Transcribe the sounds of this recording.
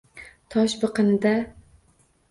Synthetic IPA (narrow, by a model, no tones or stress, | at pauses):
t̪ʰɒʃbɨqɨnɪd̪a